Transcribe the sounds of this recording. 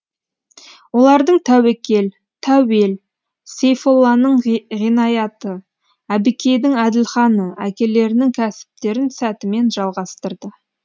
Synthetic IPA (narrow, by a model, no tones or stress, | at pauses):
wo̞lˠɑɾd̪əɴt̪ʰæwekʲe̞l | t̪ʰæwe̞l | sejfo̞lˠːɑnəɴʁinɑjɑt̪ə | æbɪkʲe̞jd̪ɪŋæd̪ɪlχɑnəækʲe̞le̞ɾɪnɪŋkʲʰæsɪ̥p̚t̪e̞ɾɪnsæt̪ɪme̞nʒɑlˠʁɑst̪əɾd̪ə